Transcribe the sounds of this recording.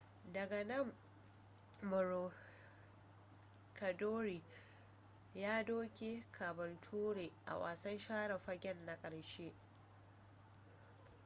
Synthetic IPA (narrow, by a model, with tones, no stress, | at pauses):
dɐ˨ɡɐ˨nɐ˦˨m | bʊ˨ɾo˨ | kʰɐ˨doː˦ɾiː˨ | jaː˦doː˦kʲe˦kʰa˨bɐ˨ntʰuː˦ɽeː˨ʔa̰˨wa̰ː˨sɐ˦nʃaː˦ɽɐ˨ɸɐ˦ɡʲɛ˦nːa˦kʼɐ˨ɽʃeː˦